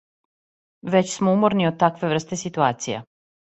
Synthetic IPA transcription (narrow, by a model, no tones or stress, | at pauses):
ʋet͡ɕsmoumoɾniod̪̚t̪akʋe̞ʋr̩st̪e̞sit̪uaːt̪sija̰